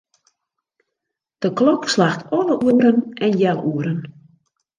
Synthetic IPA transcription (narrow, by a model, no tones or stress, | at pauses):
d̥əklɔkslaxtʰɔləʔuəəɾənɛnjɛlˠuəɾən